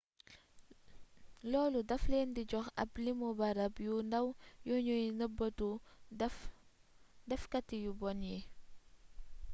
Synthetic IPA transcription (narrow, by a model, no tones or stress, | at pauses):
lɔːludɐfleːndiɟɔxɐ̰plimubɐɾɐpjundɐwjɔɲujnəbətu | dɛfkɐtːijubɔnjɛ